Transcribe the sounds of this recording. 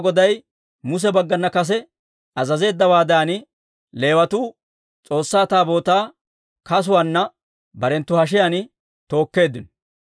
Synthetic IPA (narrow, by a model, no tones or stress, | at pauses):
ɡɔd̪ɐj | mʊs̬ɛbɐɡːɐnːɐkɐs̬ɛ | ɐzɐze̞ːd̪ːɐwaːd̪aːnɪ | le̞ːwɐt̪uː | t͡sʼo̞ːsːaːt̪aːbo̞ːt̪aː | kɐs̬ʊwanːɐ | bɐɾɛnt̪ːʊhɐʃ̬ɪjanɪ | t̪o̞ːkːe̞ːd̪ːɪnɔ